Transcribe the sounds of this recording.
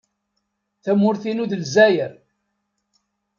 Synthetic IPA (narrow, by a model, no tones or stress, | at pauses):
θæmːʊɾθinuðəlzæjəɾ